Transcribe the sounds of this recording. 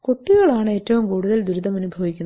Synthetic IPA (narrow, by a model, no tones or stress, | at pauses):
koʈːiɣɐɭaːɳɨe̞ːtːɐʋumkuːɽuðɐld̪uɾuðɐmɐnubʱɐʋikʲːun